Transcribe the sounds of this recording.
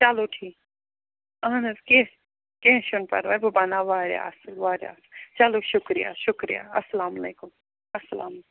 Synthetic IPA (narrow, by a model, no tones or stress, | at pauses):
t͡ʃaloʈʰiː | aːnɐzkẽ | kẽʃʊnpɐ̰ɾʋaːjbɐbɐnaʋaːɾja̰ːsʋaːɾja̰ːst͡ʃaloʃʊkɾija̰ːʃʊkɾḭja̰ːɐsɐlaːmɐleːkʊm | ɐsːɐla̰ːm